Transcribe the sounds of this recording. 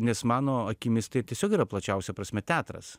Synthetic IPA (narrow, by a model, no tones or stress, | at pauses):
nʲɛsmɑːnoːɐkʲɪmʲɪst̪ʲɐɪtʲiɛsʲoːkiːɾɐplˠɐt͡ʃʲɛʊsʲɛpɾɐsʲmʲɛt̪ʲæːt̪ɾɐ̰s